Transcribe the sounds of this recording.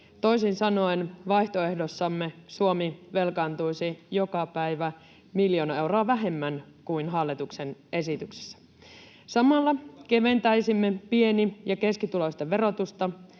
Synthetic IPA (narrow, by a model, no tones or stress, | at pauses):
t̪o̞isinsɑno̞enʋɑjht̪oe̞hdosːɑmːesuomiʋe̞lkɑnt̪ujsijokɑpæjʋæ | miljo̞ːnɑe̞wroːʋæɦe̞mːæn | kuinɦɑlːit̪uksene̞sit̪ykse̥sːæ̥ | sɑmɑlːɑke̞ʋe̞nt̪æjsimːepie̞nijɑke̞skit̪uloist̪eʋe̞ɾo̞t̪ust̪ɑ